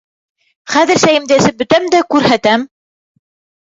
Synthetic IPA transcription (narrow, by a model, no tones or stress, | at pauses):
χæðɘ̆ɾsæjɘ̆md̪æsɘp̚bɵ̆t̪æmd̪ækʉɾɦæt̪æm